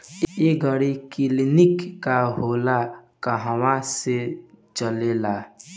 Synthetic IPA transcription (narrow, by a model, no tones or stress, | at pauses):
eɡʱəɽikɪlɪnɪkːaɦoːlakəɦwãset͡ʃəlelaː